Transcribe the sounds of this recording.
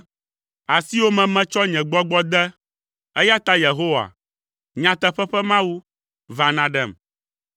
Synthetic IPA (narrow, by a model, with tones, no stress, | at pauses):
a˨si˦wo˦mɛ̃˨mɛ̃˦t͡ʃɔ˦ɲɛ̃˨ɡ͡bɔ˦ɡ͡bɔ˦d̪ɛ˦ | ɛ˦ja˦t̪a˦je˨ɦo˦wa̰˨ | ɲã˨t̪ɛ˦ɸɛ˦ɸɛ˦mã˦wu˦ | va˨nã˦ɖɛ˦˨m